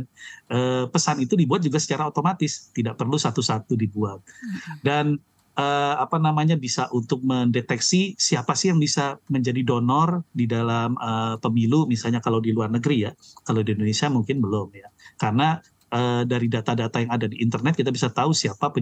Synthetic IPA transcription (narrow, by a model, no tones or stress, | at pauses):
nʔəːpəsanit̪udibuat̪̚d͡ʒuɡasə̥t͡ʃaɾaot̪omat̪ɪst̪idaʔpərlusat̪usat̪udibuat̪̚dan | ʔəapanamaɲabisaʔunt̪ʊk̚məndet̪ɛksisiapasɪhjaŋbisaməɲd͡ʒadidonɔrdidalaməpəmilumisalɲakalawdiluarnəɡəɾijakalawdiindonesiamuŋkɪnbəlʊmjakarna | ʔədaɾidat̪adat̪ajaŋadadiʔːnt̪ərnɛt̪kit̪abisat̪ausiapapə